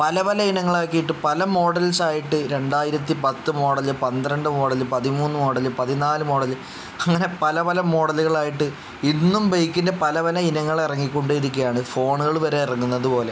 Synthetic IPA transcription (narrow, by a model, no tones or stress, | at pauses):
pɐlɐpɐlɐinɐŋːɐɭaːkːijiʈːɨpɐlɐmo̞ːɽɐlsaːjiʈːɨɾe̞ɳɖaːjiɾɐt̪̬ːipɐt̪ːɨmo̞ːɽɐlːɨpɐnd̪ɾɐɳɖɨmo̞ːɽɐlɨpɐðimuːnːɨmo̞ːɽɐlːɨpɐðinaːlɨmo̞ːɽɐlɨ | ɐŋːɐne̞pɐlɐpɐlɐmo̞ːɽɐluɣɐɭaːjiʈːɨ | inːumbejkːindɐpɐlɐpɐlɐinɐŋːɐɭirɐŋːikʲːo̞ɳɖeiɾikʲːujaːɳɨfo̞ːɳuɣɐɭʋɐɾeirɐŋːunːɐðupo̞ːle̞